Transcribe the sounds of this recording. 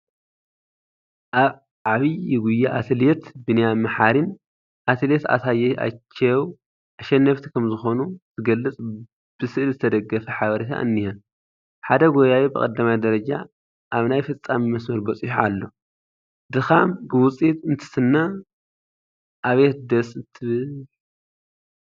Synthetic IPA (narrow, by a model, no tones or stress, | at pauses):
ʕaβiɪɡujːaʔat̪ʰɨlet̪bɨnɐjamaħaɾin | ʔat̪ʰɨlet̪a̰taja̰t͡ʃːɐw | ʔaʃɛnːɐft̪ʰi̥kʰɐmzɨxo̞nuzɨɡɐlːɨt͡sʼ | b̥ɨsɨʔlzɨt̪ʰɐd̪ɐɡːɐfɐħaβɐɾit̪ʰa̰ʔɨ̰nːihɐ | ħad̪ɐɡojawibɨkʼɐ̰d̪ːamajd̪ɐɾɐd͡ʒa̰ | ʔaβnajfɨt͡sʼːamimɐsmɐɾbɐt͡sʼiħalːo̞ | d̪ɨxambɨwʊt͡sʼit̪ɨnt̪ʰɨ̥sɨnːa | ʔaβet̪̚d̪ɐsɨt̪ʰɨβɨ